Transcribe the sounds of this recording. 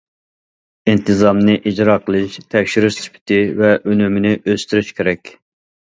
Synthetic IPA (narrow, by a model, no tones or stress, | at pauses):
int̪ʰɨzɑmnɨʔid͡ʒɾɑːqʰəlˠɨʃt̪ʰɛkʲʃyɾyʃspʰɪ̥t̪ʰɪvɛʔønymɪnɪʔøst̪yɾyʃkʲʰeɾɛkʲ